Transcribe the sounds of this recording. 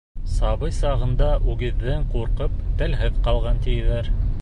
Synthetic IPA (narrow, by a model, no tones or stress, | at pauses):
sɑβɤjsɑʁɤ̆nd̪ɑʔʉɡɘ̆ðːɘɴquɾqɤp̚t̪ælɦɘðqɑlˠʁɑnt̪ijɘ̆ðæɾ